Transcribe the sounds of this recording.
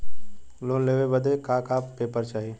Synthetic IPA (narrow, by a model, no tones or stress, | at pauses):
loːnleːʋebəd̪ʱekaːkaːpeːpəɾt͡ʃaːɦi